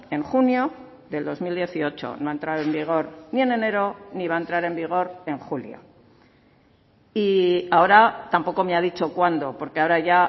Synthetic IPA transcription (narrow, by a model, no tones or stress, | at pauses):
e̞ŋxunjo̞ | ðe̞ld̪o̞zmild̪je̞θio̞t͡ʃo̰noaent̪ɾaðoe̞mbiɣ̞o̞ɾnie̞ne̞ne̞ɾo̞niβaent̪ɾaɾe̞mbiɣ̞o̞ɾe̞ŋxuljo̞̰ | iao̞ɾat̪ampo̞ko̞meaðit͡ʃo̞kwand̪o̞po̞ɾkeaoɾaʝa